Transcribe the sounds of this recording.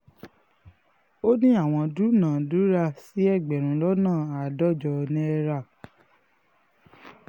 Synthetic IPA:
o˦nĩ˦a˦˨w̃ɔ̃˧du˨˦nãː˨du˨˦ɾa˧˨si˨˦ɛ˦˨ɡ͡bɛ˨ɾ̃ũ˨˦lɔ˦nãː˦˨a˨dɔ˦˨d͡ʒɔ˧nĩ˦ɛ˦ɾa˧˨

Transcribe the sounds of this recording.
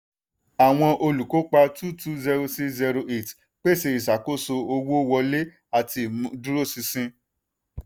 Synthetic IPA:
a˨w̃ɔ̃˧ʔo˧lu˨ko˨˦k͡pa˧tu˦tu˦zɛ˧ɾo˧si˦zɛ˧ɾo˧ʔe˨t | k͡pe˦se˧i˨sa˨ko˦so˧o˧wo˦wɔ˧le˦ | a˨ti˧˨mũ˨˧du˦ɾo˦˨si˧sĩ˦

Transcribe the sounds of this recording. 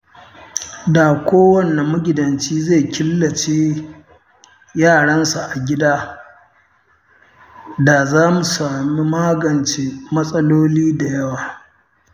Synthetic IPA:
da˨kʷoː˦wɐ˦nːa˨mʊ˦ɡʲɪ˨dɐ˨nt͡ʃiː˦ze˦˨kʲɪ˦lːɐ˨t͡ʃeː˦ | jaː˦˨ɽɐ˦nsa˨ʔa˨ɡʲɪ˦daː˦ | da˨zaː˦mu˨saː˨mi˦maː˦ɡɐ˨nt͡ʃe˦mɐ˦sʼɐ˦loː˦liː˦da˨jɐ˦waː˨

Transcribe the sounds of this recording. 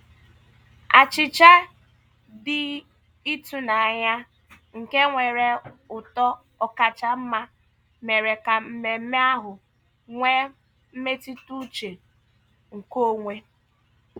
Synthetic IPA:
a˨t͡ʃɪ˨t͡ʃa˦ | dɪ˨ | i˦tu˦na˨a˨ɲa˦ | ŋ̩˨ke˦ŋʷe˨ɾe˨ʊ˨tɔ˦ | ɔ˨ka˨t͡ʃa˦m̩˦ma˦ | me˨ɾe˨ka˨m̩˨me˨m̩˦me˦a˦ɦʊ˨ | ŋʷe˦ | m̩˦me˦ti˦tu˦t͡ʃe˨ | ŋ̩˨ko˦ŋʷe˦

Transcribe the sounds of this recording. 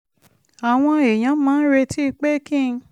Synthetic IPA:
a˨w̃ɔ̃˧e˨j̃ã˨˦mãː˦n̩˦ɾe˧tʰi˦˧k͡pe˦kĩ˦˨˧

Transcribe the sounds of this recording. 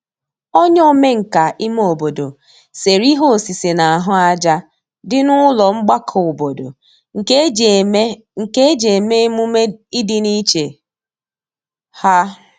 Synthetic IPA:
o˦ɲ˦o˦me˦ŋ̩˨ka˨ʔi˦m˦o˨bo˨do̰˨ | se˨ɾi˦ɦo˦˨si˨se˨na˨a˨ɦʊ˦a˦d͡ʒa˦ | dɪ˦nʊ˦lɔ˨ŋ͡m̩˦ɡ͡ba˦kʰʊ˨bo˨do̰˨ | ŋ̩˨˦ | ŋ̩˨ke˦e˦d͡ʒe˨me˦mu˦me˦i˦dɪ˦ni˦t͡ʃe˨ | ha˦

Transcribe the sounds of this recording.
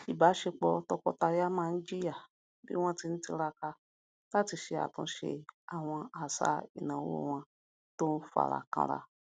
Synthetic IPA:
i˨ba˨˦ʃe˧k͡pɔ˧tɔ˧kɔ˧ta˧ja˦mã˦˨n̩˦d͡ʒi˦li˦a˦˨ | bḭ˦w̃ɔ̃˦ti˧n̩˦ti˧ɾa˧ka˧ | la˦ti˧ʃe˧a̰˨tũ˧˦ʃḛ˧a˨w̃ɔ̃˧a˨sa̰˨˦i˦˨nã˨wo̰˦˨w̃ɔ̃˧ | to˦n̩˦fu˦a̰˨ɾa̰˨kã̰˧ɾa̰˧

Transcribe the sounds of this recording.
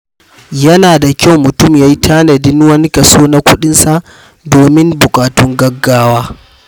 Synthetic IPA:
jɐ˦naː˨da˨kʲa˦˨wmʊ˨tʊ˦˨mjaː˦ji˦tʰaː˦nɐ˨dɪ˦nwɐ˦ni˦kɐ˨soː˦na˦kʷʊ˦ɗɪ˦nsa˨ʔ | doː˨mɪ˦mbʊ˨kʼaː˨tʊ˦ŋɡɐ˦ɡːaː˦waː˦

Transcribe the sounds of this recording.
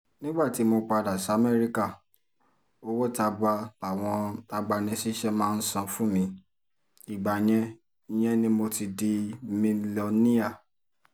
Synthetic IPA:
nĩ˦ɡ͡ba˦˨ti˨˦mo˧k͡pa˧da˨sa˨˦mɛ˦ɾi˧ka˦˨ | o˧wo˦˨ta˧ba˧a˨w̃ɔ̃˧ta˧ɡ͡ba˧nɛ̃˧si˦ʃɛ˦mãː˦˧n̩˦sã˧fũ˦mĩ˧˦ | i˨ɡ͡ba˨j̃ɛ̃˧˦ | j̃ɛ̃˦nĩ˦mo˧ti˧di˧mi˧lo˧nĩ˦a˦˨

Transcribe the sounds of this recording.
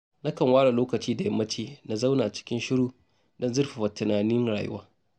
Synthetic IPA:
na˦kɐ˨ŋwaː˦ɽa˨loː˦kɐ˨t͡ʃiː˦da˨jɐ˦mːɐ˦t͡ʃiː˦na˨za˦wnaː˨ʔt͡ʃɪ̥˦kʲɪ˦nʃɪ˦ɽuː˦ | dɔ˦nzɪ˦rɸa˨wɐ˨tɪ˨naː˨nɪ˦nɽaː˨jɪ̰˦waː˦

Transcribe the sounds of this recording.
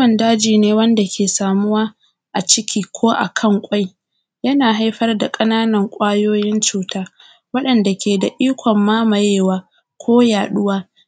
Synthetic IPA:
ɐ˨ndaː˦d͡ʒiː˨neː˦wɐ˦nda˨kʲeː˨saː˨mʊ˦waː˦ | ʔa˨t͡ʃɪ˦kʲiː˦kʷʰoː˦ʔa̰˨kʰɐ˦˨ŋkʷʼa˦j | jɐ˦naː˨ɦa˦jɸɐ˦rda˨kʼɐ˦naː˦nɐ˨ŋkʷʼaː˦joː˦jɪ˦nt͡ʃuː˨taː˦ | wɐ˦ɗɐ˨nda˨kʲeː˨da˨ʔiː˦kʷɔ˨mːaː˦mɐ˨jeː˦˨waː˦ | kʷʰoː˦jaː˨ɗʊ˦waː˦

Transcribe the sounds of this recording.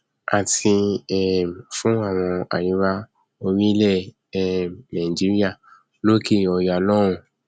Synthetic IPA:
a˨tʰi˧ɛ˨fũ˦a˦˨w̃ɔ̃˧a̰˨jĩ˨˧˦ɾa˦ | o˧wĩ˦lɛ˦˨ | ɛ˨nã˨d͡ʒi˦ɾi˦a˦˨ | lo˦ki˦˨ɔ˧ja˨lɔ˦ɾ̃ũ˧˨

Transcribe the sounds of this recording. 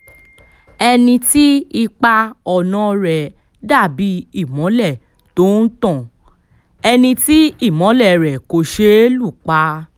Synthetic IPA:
ɛ˧nĩ˧ti˦i˧k͡pa˦ɔ˧˨nã˦ɾɛ˨ | da˦˨bi˨˦i˦˨mɔ̃˨˦lɛ˦˨ | to˦n̩˦tɔ̃˦˨ | ɛ˧nĩ˧ti˦i˦˨mɔ̃˨˦lɛ˦˨ɾɛ˨ko˧ʃe˦lu˦˨k͡pa˦

